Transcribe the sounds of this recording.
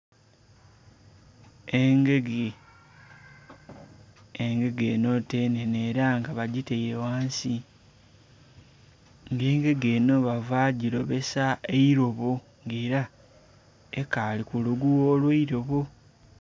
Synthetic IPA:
eŋɡeɡe | eŋɡe̞ɡe̞ːno̞te̞ːneneɾaŋɡaβaɟite̞jewaːnsi | ŋɡe̞ːŋɡe̞ɡeːno̞βavaːɟiɾo̞βe̞saeiɾo̞βo | ŋɡeːɾa | ekaːlikuluɡuwoːlweiɾo̞βo

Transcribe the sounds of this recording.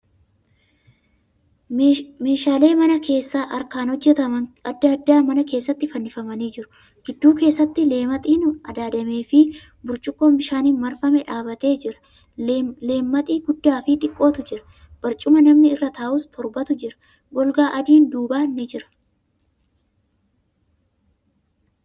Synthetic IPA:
me̞ːʃaːle̞ːmɐnɐke̞ːsːaːʔɐɾkaːnhɔd͡ʒːɛt̪ɐmɐnɐd̪ːɐːd̪ːaːmɐnɐke̞ːsːɐt̪ːɪfɐnːɪfɐmɐniːd͡ʒɪɾʊ̥ | ɡ̥ɪd̪ːuːke̞ːsːɐt̪ːɪle̞ːmɐt̪ʼiːnʊɐd̪aːd̪ɐme̞ːfɪ | bʊɾt͡ʃʼʊkʼːoːbɪʃaːninmɐɾfɐmɛᶑaːbɐt̪e̞ːd͡ʒɪɾɐ̥ | le̞ːmːɐt̪ʼiːɡʊd̪ːaːfɪᶑ̪ɪkʼːo̞ːt̪ʊd͡ʒɪɾɐ̥ | b̥ɐɾt͡ʃʼʊmɐnɐmnɪɪrːɐt̪aːʔʊst̪ʰɔɾbɐt̪ʊd͡ʒɪɾɐ̥ | bɔlɡaːʔɐd̪iːnd̪uːbaːnːɪd͡ʒɪɾɐ̥

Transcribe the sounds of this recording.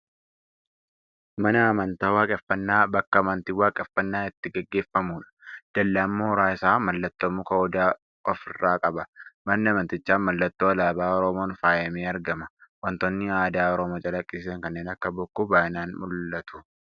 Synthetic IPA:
mɐnɐːmɐnt̪aːwaːkʼɛfːɐnːaːbɐkːɐmɐnt̪iwaːkʼɛfːɐnːaːɪt̪ːɪɡɛɡːe̞ːfːɐmuːᶑɐ̥d̪̥ɐlːamːoːɾaːɪsaːmɐlːɐt̪ːomʊkɐɔd̪aː | ɔfɪrːaːkʼɐbɐmɐnːɪɐmɐnt̪ɪt͡ʃːaːnmɐlːɐt̪ːoːɐlaːbaːɔɾɔmoːnfaːjɐmeːɐɾɡɐmɐwɐnt̪ɔnːɪaːd̪aːɔɾɔmoːt͡ʃʼɐlɐkʼːɪsɪsɐŋkɐnːeːnɐkːɐbʊkːʊbaːɪnaːnmʊlːɐt̪ʊ̥

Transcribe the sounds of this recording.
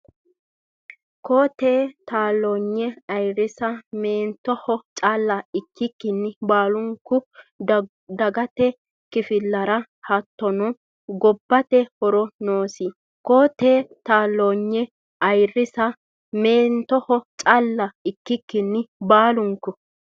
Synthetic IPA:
koːt̪eːt̪aːlːoːɲːɛɐjrɪsɐmeːnt̪ːɔhɔt͡ʃʼɐlːɐɪkːɪkːɪnːɪbaːlʊŋkːʊ | d̪ɐɡɐt̪ɛ | kɪfɪlːɐɾɐ | hɐt̪ːɔnɔ | ɡɔbːɐt̪ɛhɔɾɔnoːsɪ | koːt̪eːt̪aːlːoːɲːɛ | ɐjrːɪsɐ | meːnt̪ɔhɔt͡ʃʼɐlːɐɪkːɪkːɪnːɪbaːlʊŋkːʊ

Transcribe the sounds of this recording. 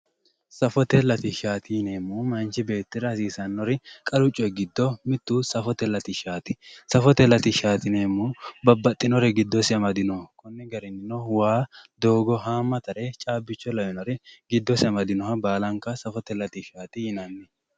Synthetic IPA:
sɐfɔt̪ɛlɐt̪ɪʃaːt̪ɪjɪneːmːuːmɐnt͡ʃɪbe̞ːt̪ːɪɾɐɐsiːsɐnːɔɾɪkʼɐlʊt͡ʃʼːɔjɡɪd̪ːɔmɪt̪ːuːsɐfɔt̪ɛlɐt̪ɪʃaːt̪ɪsɐfɔt̪ɛlɐt̪ɪʃaːt̪ɪneːmːuːbɐbːɐt̪ʼːɪnɔɾɛɡɪd̪ːɔsɪɐmɐd̪ɪnɔkɔnːɛɡɐɾɪnːɪnɔwaːd̪oːɡɔɦaːmːɐt̪ɐɾɛt͡ʃʼaːbːɪt͡ʃːɔlɐwɪnɔɾɛɡɪd̪ːɔsɪɐmɐd̪ɪnɔhɐbaːlɐŋkːɐsɐfɔt̪ɛlɐt̪ɪʃaːt̪ɪjɪnɐnːɛ

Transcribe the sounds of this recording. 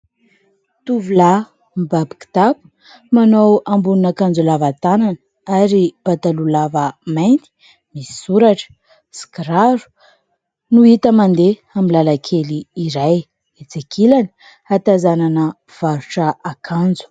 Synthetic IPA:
t̪uvula | mbabi̥ki̥t̪apu̥ | manowambununakand͡zulavat̪ananə | aɾib̥at̪alulavəmajnt̪i̥ | misi̥suɾaʈ͡ʂə̥ | skɾaɾu̥ | nuit̪əmand̪eamilalakʰeliːɾaj | et͡sekʰilani̥ | at̪azananə | v̥aɾuʈ͡ʂəakʰand͡zu̥

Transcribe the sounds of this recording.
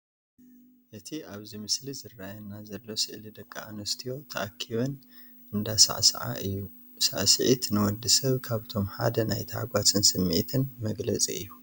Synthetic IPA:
ʔɨt̪ʰiaβzimɨslizɨrːajɐnːazɐlːo̞sɨʔlid̪ɐkʰʼːaanɐst̪ʰijo̞t̪ʰɐʔakʰːiβɐn | ʔɨnd̪asa̰ʕsɐʕa̰ʔɨjːu | sa̰ʕsɨʕit̪nɨwɔd̪ɨsɐβkʰaβt̪ʰo̞mħa̰d̪ɐnajt̪ʰɐʕa̰ɡʷatʰɨnsɨmːḛt̪ʰɨnmɐɡlɐt͡sʼiɨjːu

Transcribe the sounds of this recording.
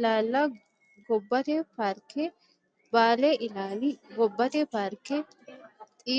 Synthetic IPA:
laːlːa | ɡɔbːɐt̪eːpaːɾkɛ | baːleːʔɪlaːnɪɡɔbːɐt̪epaːɾkɛ | t̪ʼiː

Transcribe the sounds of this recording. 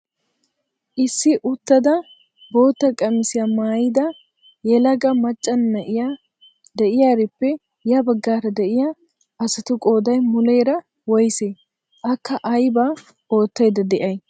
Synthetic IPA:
ʔɪsːɪʔʊt̪ːɐd̪ɐ | bo̞ːt̪ːɐkʼɐmɪsɪjamaːjɪd̪ɐ | jɛlɐɡɐmɐt͡ʃʼːɐnːɐʔɪja | d̪ɛʔɪjaːɾɪpːɛ | jɐbɐɡːaːɾɐd̪ɛʔɪja | ʔɐsɐt̪ʊkʼoːd̪ɐjmʊle̞ːɾɐ | wɔjseː | ʔɐkːɐʔɐjbaː | o̞ːt̪ːɐjd̪ɐd̪ɛʔɐj

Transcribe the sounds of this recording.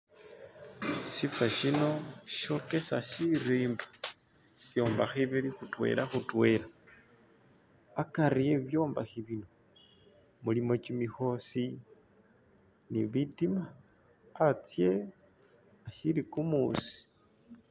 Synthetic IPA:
sifaʃino̞ʃo̞ke̞saʃiɾiːmba | ʃjo̞ːmbaxiβilixutwe̞̰lʔaxutwe̞la | akaɾije̞βjo̞ːmbaxiβino̞ | mulimo̞t͡ʃimixo̞si | niβitimaː | t͡sje | aʃilikumusi̥

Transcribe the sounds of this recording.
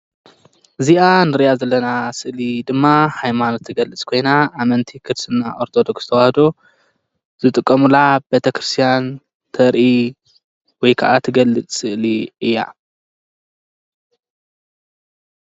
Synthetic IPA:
ʔɨzianɨɾijazɐlːɐnasɨʔlid̪ɨmːahajmanot̪ʰːɨɡɐlːɨt͡sʼkʰo̞jnaʔːmɐnt̪ʰikʰɨd̪sɨnːaʔo̞ɾt̪ʰod̪o̞ksz̥ɨt̪ʰɐwahd̪o̞ | z̥ɨt̪ʼɨkʼːɐmulabet̪ʰɐkʰɾɨst̪ʰijan | t̪ʰɐɾʔi | wɔjkʰaʔat̪ʰɨɡɐlːɨt͡sʼsɨʔliɨjːa

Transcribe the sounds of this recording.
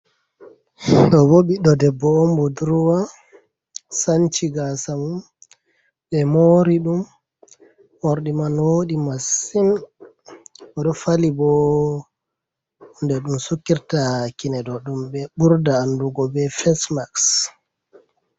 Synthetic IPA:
ɗɔboɓiɗɔdɛbɔːmbuduɾuwa | sant͡ʃiɡasamum | ɓɛmoɾiɗum | ɔɾɗimanwoɗimasin | ɔɗɔfalibɔ | undɛɗumsukːiɾtakinɛdɔɗumbɛɓuɾdaːnduɡɔbɛfɛsmaks

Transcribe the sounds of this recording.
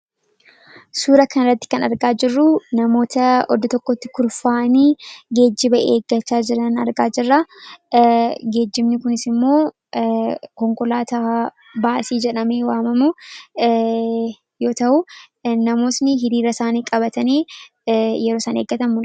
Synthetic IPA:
suːɾɐkɐnrːɐt̪ːɪ̥kɐnɐɾɡaːd͡ʒɪrːʊnɐmo̞ːt̪ɐɔ̰d̪ɔt̪ɔkːɔt̪ːɪ̥kʊɾfaːʔniːɡe̞ːd͡ʒːɪbɐʔeːɡːɐt͡ʃːaːd͡ʒɪɾɐnɐɾɡaːd͡ʒɪrːaː | ɡe̞ːd͡ʒːɪmnɪkʊnɪsɪmːo̞ː | kɔŋkɔlaːt̪aː | baːsiːd͡ʒɛᶑɐme̞ːwaːmɐmʊ | jo̞ːt̪ɐʔʊ | nɐmo̞ːsnɪɦɪɾiːɾɐsaːniːkʼɐbɐt̪ɐniː | jɛɾoːsɐːneːɡːɐt̪ɐmʊ

